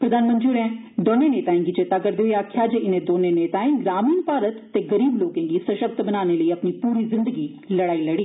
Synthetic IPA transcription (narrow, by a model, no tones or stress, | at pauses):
pɾəd̪aːnmə̃nt̪ɾiuɾɛ̃ː | d̪oːneːneːt̪aːĩŋɡid͡ʒet̪aːɡəɾd̪eiaːkʰːjaːd͡ʒeɪnẽːd̪oːneːneːt̪aːĩŋɡɾaːmiːnpaːɾət̪ːeːɡəɾiːbloːkẽːɡiːsəʃəb̚t̪bənaːneːləiːəpniːpuːɾiːzɪ̃nd̪əɡiː | ləɽaːiːləɽiː